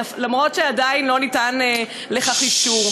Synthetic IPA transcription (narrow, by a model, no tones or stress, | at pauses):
lamʁo̞tʃeadainlo̞nitane | leχaχiʃuʁ